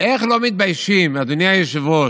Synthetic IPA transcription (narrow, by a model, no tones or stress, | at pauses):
eχlomit̪̚bajʃimad̪unjajeʃvo